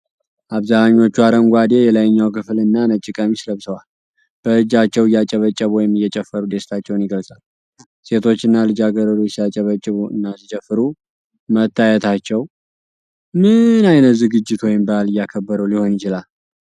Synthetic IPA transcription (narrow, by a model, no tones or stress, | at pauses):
ʔaβzanaɲːo̞t͡ʃːuaɾəŋɡʷad̪e̞jɛlajɲːawkʰɨflɨnːanət͡ʃʼːɪkʼəmisləβsəwal | b̥əɨd͡ʒat͡ʃːɛwɨjat͡ʃʼəβət͡ʃʼːəβwɔjɪmɨjːɛt͡ʃʼɛfːəɾud̪e̞st̪ʰat͡ʃːɛwnjɪɡəlsʼal | se̞t̪ʰo̞t͡ʃːɨnːalɨd͡ʒaɡəɾəɾosjat͡ʃʼːɛβət͡ʃʼːɪβuɨ̰nːazit͡ʃʼɛfːɨɾu | mət̪ːajɛt̪ʰat͡ʃːɛw | mɨnajnət̪zɨɡɨd͡ʒːɪt̪wɔjɪmbəalɨjːakʰəbːəɾəwliho̞njɪt͡ʃɪlal